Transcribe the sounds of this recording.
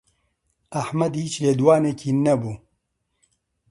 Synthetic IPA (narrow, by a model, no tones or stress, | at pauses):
ɐħmɐd̪hiːt͡ʃleːd̪waːnekʰiːnɐbuː